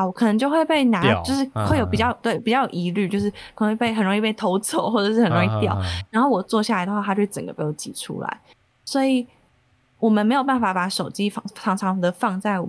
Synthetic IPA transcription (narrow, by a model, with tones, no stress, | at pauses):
wɔ˨˦kʰɤ˨˩nə˧˥ŋt͡ɕjo˥˧xwe˥˧ɪpe˥˩ɪna˧˥t͡ɕo˥˧ʊʂɻ̩˥˧xwe˥˩jo˨˧ʊpi˨˩t͡ɕɑ˥˩ʊjt̪we˥˩ɪpi˨˩t͡ɕjɑ˥˩jo˨˩ʊi˧˥ly˥˧t͡ɕjo˥˧ʊʂ̬ɻ̩˥˩kʰə˩ə˧˥we˥˩pe˥˩ɪxə˨˩nɻo˧˥ŋi˥˧˩pe˥˩ɪt̪ʰo˧˥ʊt͡so˨˥˦ʊxwɔ˥˩ɤ˨˩ʂɻ̩˥˩xə˨˩nɻo˧ŋi˥˧˩t̪jɑ̰˥˨˩ʊɻa˧˥nxo˥˩ʊwɔ˨˩t͡swɔ˥˧ɕa˥˩la˧˥ɪə˧xwa˥˧tʰa˥t͡ɕo˥˧˩ə˨˩ɡə̰˩pi˧˥˩jo˧˩ʊt͡ɕḭ˨˩ʈ͡ʂʰṵ˥la̰˧˦ɪ | swɔ˧˥i˨˩ | wɔ˨˩mə˦nme˧˥ɪjo˨˩ʊpa˥˩nfa˨˩˥pa˧˥ʂo˨˩ʊt͡ɕi˦˥fɑ˥˩ɑ˧˥ŋʈ͡ʂʰɑ˧˥ŋd̪ə˨fɑ˥˧ŋt͡sa˥˩ɪwɔ̰˨˩